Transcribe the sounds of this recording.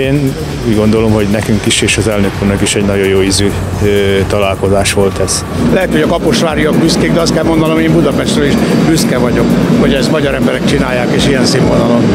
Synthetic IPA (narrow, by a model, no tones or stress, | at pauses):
eːn | uːɟɡo̞nd̪o̞lo̞mho̞ɟnɛkyŋkiʃeːʃɒzɛlnøkuːrnɒkiʃɛɟnɒɟo̞joːizyl | øt̪ɒlaːlko̞zaːʃʋo̞lt̪ɛz̥ | lɛɦɛt̪hoɟɒkɒpoʃʋaːɾijɒɡ̚byskeːɡd̪ɛɒst̪̚kɛlmo̞nd̪ɒno̞meːmbud̪ɒpɛʃt̪røliʃbyskɛvɒɟo̞kho̞ɟɛzmɒɟɒɾɛmbɛɾɛk̚t͡ʃinaːjːaːkeːʃijɛnsimonɒlo̞n